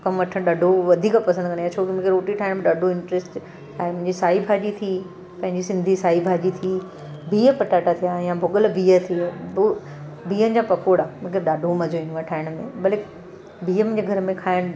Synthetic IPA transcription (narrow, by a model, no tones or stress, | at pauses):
kɐmʋɐʈʰə̃ɗaɖʱoʋɐd̪ʱiːkpɐsə̃nd̪kɐ̃nd̪ajat͡ɕʰoːkimʊ̃kʰɾoːʈiʈʰaːɪɽ̃mẽɗaːɖʱoɪ̃ɳʈɾeːsʈ | ãːmʊ̃ɦɪ̃ɲd͡ʑisaːibʱaːd͡ʑit̪ʰi | pɐ̃ɦɪ̃ɲd͡ʑisɪ̃nd̪ʱisaːɦibʱaːd͡ʑit̪ʰi | bʱiːəpɐʈaːʈat̪ʰijajãbʱʊɠəlbʱiːət̪ʰi | bʱiːənɪ̆d͡ʑãːpɐkʰoːɽamʊ̃kʰɪɾɗaːɖʱomɐd͡ʑʱoĩnaʈʰaːɪɽ̃mẽbɐlek | bʱiːəmʊ̃d͡ʑeɡʱɐɾmẽkʰaːɪɽ̃